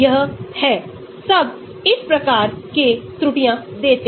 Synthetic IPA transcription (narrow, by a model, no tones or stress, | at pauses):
əɦhɛː | sɐb | ɪspɾəkaːɾket̪ɾʊʈijãd̪eːt̪